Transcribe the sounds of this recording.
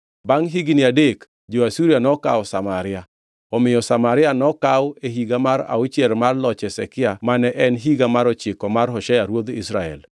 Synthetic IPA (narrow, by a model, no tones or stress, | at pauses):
baŋɦiɡinɪadek | d͡ʒoasuɾjanɔka̰wsamaɾɪa | ɔmɪjɔsamaɾɪanɔkaweɦiɡamaɾa̰ʊt͡ʃjɛlmarlɔt͡ʃɛsɛkɪamanɛʔɛnɦiɡamaɾɔt͡ʃɪkɔmaɾɦɔʃɛjaɾwod̪ḭsɾaɛ̰l